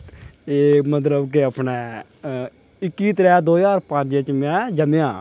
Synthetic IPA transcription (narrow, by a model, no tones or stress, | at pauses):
eːkmət̪̬ləbk̬eəpnɛː | ɪkːiːt̪ɾɛːd̪oːjaːɾpə̃d͡ʒet͡ʃmɛ̃ːd͡ʒəmejãː